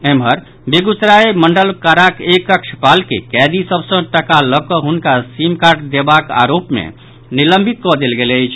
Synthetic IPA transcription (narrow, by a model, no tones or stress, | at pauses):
emɦəɾ | beɡut͡ʃɾaeməɳɖəlkaɾakekəkt͡ʃʰpalkḛkɛd̪isəbsə̃ʈəkaləkɔɦunkasimkaɾʈd̪ebaka̰ɾopmḛ | niləmbʱit̪̚kɔd̪elɡeləjt͡ʃʰ